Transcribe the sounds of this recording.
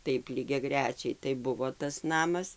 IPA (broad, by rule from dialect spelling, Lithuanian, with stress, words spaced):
ˈtɐɪp lʲiːɡʲɛˈɡrʲæːt͡ʃʲɛɪ tɐɪ ˈbʊʋoː tɐs ˈnɑːmɐs